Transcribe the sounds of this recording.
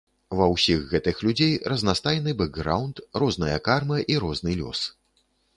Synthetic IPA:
vɐwsʲiɣːɛt̪ɨxlʲud͡zʲejrɐznast̪ajɛnɨbɛɡːɾawnt̪rɔznɐjɐkarmɐʔiɾɔznɨlʲɔ̰s

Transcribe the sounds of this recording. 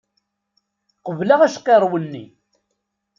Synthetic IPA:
qəvlaʁæʃqeɾˤwənːḭ

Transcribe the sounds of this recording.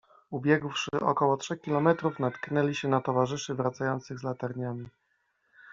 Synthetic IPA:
ubʲjɛɡwʂɘ̰ʔɔ̰kɔwɔtʂɛxkʲilɔmɛt̪ɾufnat̪knɛlʲiɕɛnat̪ɔvaʐɘʂɘvɾat̪sajɔnt̪sɘɣzlat̪aɾɲamʲi

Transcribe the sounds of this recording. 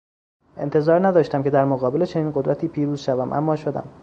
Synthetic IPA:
ʔe̞̰nt̪ʰe̞zɒːɾnæd̪ɒːʃt̪æmcʰe̞d̪æɾmoɣɒːbe̞let͡ʃʰe̞niːnɢo̞d̪ɾʔæt̪ʰiːpʰiːɾuːz̥ʃævæmʔæ̰mːɒːʃo̞d̪æ̰m

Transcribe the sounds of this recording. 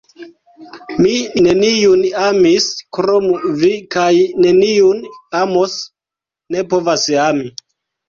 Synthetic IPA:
mine̞niunamiskɾomuvikajne̞niunamos | ne̞po̞vasami

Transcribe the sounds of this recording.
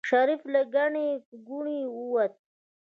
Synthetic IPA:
ʃaɾiflaɡaɳekɡuɳiuwat̪̚

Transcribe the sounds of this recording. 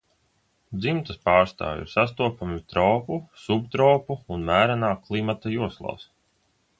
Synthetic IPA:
d̪zimt̪ɐspaːɾst̪a̰ːvʲḭɾsas̬t̪uɔpamit̪ɾɔːpusubt̪ɾɔːpuːnmæːɾanaːklˠimat̪ajuɔslˠa̰ːs

